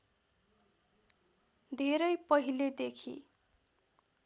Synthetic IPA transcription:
d̪ʱeɾʌjpʌɦiled̪ekʰḭ

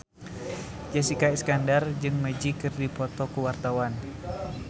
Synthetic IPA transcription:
d͡ʒɛsikaiskandard͡ʒɨŋməd͡ʒikɨrdipɔt̪ɔkuwart̪awan

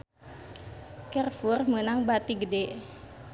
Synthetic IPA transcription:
kɛrfurmənaŋbat̪iɡədeʔ

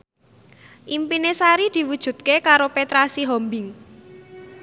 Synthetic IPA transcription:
ʔimpinesaɾid̪̥i̤wud̥ʒ̥ṳd̪̚kekaɾopet̪ɾasiɦɔmbɪŋ

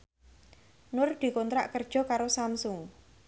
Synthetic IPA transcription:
nʊrd̪̥i̤kɔnt̪ɾa̰ʔkərd̥ʒ̥ɔ̤kaɾosamsʊŋ

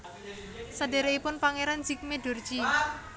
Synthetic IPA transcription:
sadeɾeipʊnpaŋeɾand͡ʒik̚meɖo̤rd͡ʒi

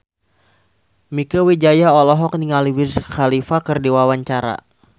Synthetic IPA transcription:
mikəwid͡ʒajaɔlɔɦɔk̚niŋaliwisxalifakɨrdiwawaɲt͡ʃaɾa̰

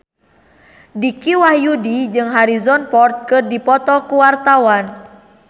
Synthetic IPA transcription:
dikiwahjudid͡ʒɨŋɦaɾizɔnpɔrt̪̚kɨrdipɔt̪ɔkuwart̪awan

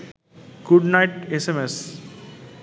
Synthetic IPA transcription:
ɡ̥uɖnaɪʈesemes

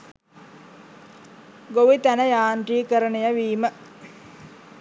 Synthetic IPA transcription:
ɡoʋit̪ænəjaːɳʈiːkəɾənejəʋiːmə

